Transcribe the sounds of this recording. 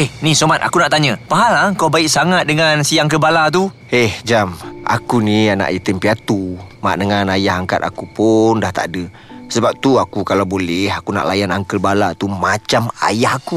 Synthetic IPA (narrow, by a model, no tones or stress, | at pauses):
ɛhnisomat̪a̰kunaʔt̪aɲə̃paɦalaəŋkawbaɪʔsaŋat̪̚dəŋansiaŋkəbalat̪̬u | ɛhd͡ʒama̰kuniana̰ʔjət̪əmpiat̪uma̰ʔdəŋanajaɦaŋka̰t̪a̰kupundaht̪a̰ʔdə | səbap̚t̪uakukalawbolɛɦakuna̰ʔlajanaŋkəlbalat̪umat͡ʃama̰jahaku